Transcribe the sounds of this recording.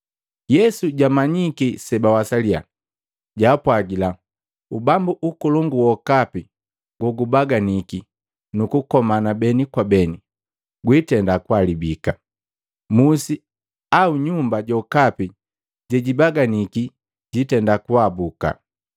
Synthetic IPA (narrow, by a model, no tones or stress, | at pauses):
jɛsuɟamaɲikisɛbawasalia̰ | ɟaːpwaɡila | ubambuʔukɔlɔŋɡuwɔkapi | ɡwɔɡubaɡaniki | nukukɔmanabɛnikwabɛni | ɡwitɛndakwalibika | musi | auɲumbaɟɔkapi | ɟɛɟibaɡaniki | ɟitɛndakwabuka̰